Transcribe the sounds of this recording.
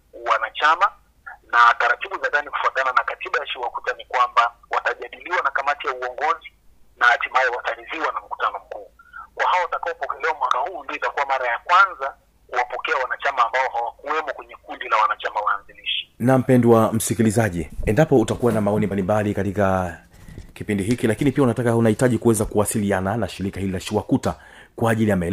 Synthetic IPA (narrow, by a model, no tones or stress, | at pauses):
wanat͡ʃama | nataɾatiɓuzaðaniku̥fuatananakatiɓajaʃiwakutanikwamba | wataʄaɗiliwanakamatijauɔŋɡɔzinahatimaɛwataɾiðiwanam̩ku̥tanɔm̩kuːkwʔahaɔwatakaɔpɔkɛlɛwamwakahuːndiɔitakuwamaɾajakwanza | kuwapɔkɛawanat͡ʃamaːmbaɔhawakuwɛmɔkwɛɲɛkundilawanat͡ʃamawaanziliʃi̥nam̩pɛndwam̩sikilizaʄiɛndapɔutakuwanamaɔnimbalimbalikatika | kipindiɦikilakinipiaunatakaunahitaʄikuwɛzakuwasiliananaʃiɾikahililaʃiwakuta | kwaːʄilijamaɛl